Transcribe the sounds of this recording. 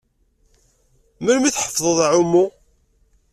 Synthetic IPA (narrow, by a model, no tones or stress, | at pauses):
mæɾmiθħə̥fðˤəðˤʕʊmːu